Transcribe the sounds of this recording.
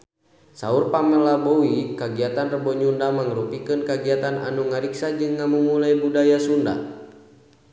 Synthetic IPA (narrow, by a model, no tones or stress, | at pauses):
saurpaməlabɔwikaɡiat̪anrəbɔɲundamaŋɾupikɨnkaɡiat̪ana̰nuŋaɾiksad͡ʒɨŋːamumulaibudajasunda̰